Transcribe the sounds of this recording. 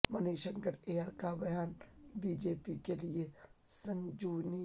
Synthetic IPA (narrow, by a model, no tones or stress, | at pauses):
mɐneːʃə̃ŋkəɾeːaːɾkabɐjaːnbiːd͡ʒeːpikeliesɐ̃nd͡ʒuːni